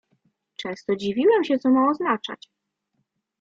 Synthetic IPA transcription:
t͡ʂɛ̃st̪ɔd͡ʑivʲiwɛmɕɛt̪sɔmaɔznat͡ʂa̰t͡ɕ

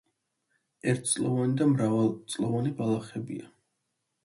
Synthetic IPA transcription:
ɛɾt̪ʰt̪sʼlˠɔ̰vanid̪amɾavalˠt̪sʼlˠɔvanibalˠaχɛbḭa

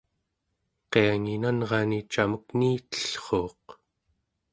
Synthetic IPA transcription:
qe̞aŋinanʁɑnit͡ʃaməkniːt̪ə̥ɬχo̞ːq

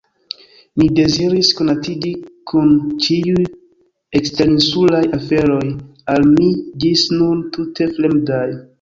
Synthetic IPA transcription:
mide̞ziɾiskonatidikʰunt͡ʃiuj | ekste̞ɾinsulajafe̞ɾo̞jalmid͡ʒisnuntutʰe̞fle̞mdaj

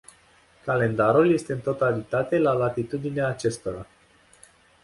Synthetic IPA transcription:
kale̞nd̪aɾulje̞st̪eɨnt̪o̞t̪alit̪at̪e̞lalat̪it̪ud̪ineaːt͡ʃe̞st̪o̞ɾa

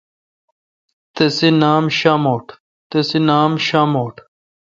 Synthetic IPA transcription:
t̪esinaːmɕaːmoːʈ | t̪esinaːmɕaːmoːʈʰ

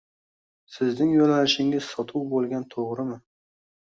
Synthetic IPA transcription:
sɪznɪŋjolanɪʃɪŋɪz̥sɒt̪ʰuwbolˠɡʲant̪ʰoʁɾɪmɪ

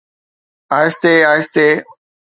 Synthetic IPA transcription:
aːɪst̪eːaːɪst̪eː

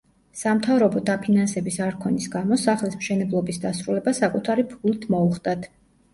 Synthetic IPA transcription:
samt̪ʰavɾɔbɔd̪apʰinansɛbisaɾkʰɔnisɡamɔsaχlismʃɛnɛblˠɔbisd̪asɾulɛbasakʼut̪ʰaɾipʰult̪ʰmɔuχd̪ʼat̪ʰ

